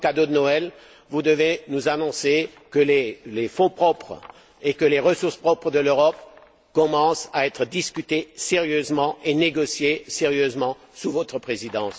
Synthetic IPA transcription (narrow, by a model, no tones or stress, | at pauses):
kad̪od̪ənɔɛl | vud̪əvenuzanɔ̃sekəlelefɔ̃pχɔpχ | ekəleʁəsuʁspχɔpχəd̪əløʁɔp | kɔmɑ̃saɛt̪χəd̪iskʲyt̪eseʁjøzmɑ̃ʔeneɡɔsjeseʁjøzmɑ̃ | suvɔt̪χəpχezid̪ɑ̃s